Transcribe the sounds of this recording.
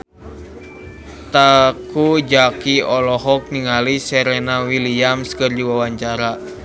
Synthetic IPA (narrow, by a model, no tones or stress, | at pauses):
t̪akud͡ʒakiɔlɔɦɔk̚niŋalisɛɾɛnawiliamskərd͡ʒiwawaɲt͡ʃaɾa